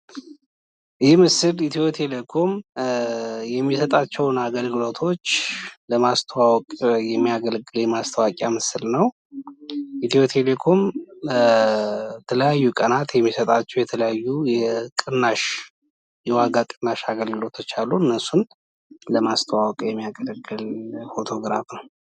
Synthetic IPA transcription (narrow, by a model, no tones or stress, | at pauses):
jɛmɨsɨlit̪ʰiwot̪ʰelekʰo̞m | jɛmːisət̪ʼat͡ʃːɛwnaɡəlɡɨlo̞t̪ʰo̞t͡ʃːləmast̪ʰəwawkʼjɛmːijaɡəlɡɨljɛmast̪ʰəwakʼjamɨsɨlnəw | ʔit̪ʰiwot̪ʰelekʰo̞m | t̪ʰələjajːukʼənat̪jɛmːisət̪ʼat͡ʃːɛwjɛt̪ʰələjajːujɛkʼɨnːaʃ | jɛwaɡakʼɨnːaʃaɡəlɡɨlo̞t̪ʰːt͡ʃaluɨnːəsun | ləmast̪ʰəwawkʼjɛmːijaɡəlɡːɨlfot̪ʰo̞ɡɾa̰fnəw